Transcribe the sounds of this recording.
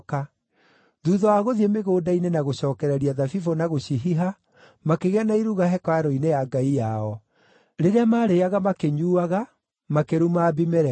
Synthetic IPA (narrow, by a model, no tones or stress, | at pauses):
ka | ðuːðɔwaɣoðiemeɣoːdainenaɣoɕɔːkɛɾɛɾiaðafifonaɣoɕiɦiɦa | makeɣeanaiɾuɣaɦɛkwaaɾɔinejaɡaijaɔ | ɾeɾeamaːɾeaɣamakeɲuːaɣa | makeɾumaːbimɛɾɛ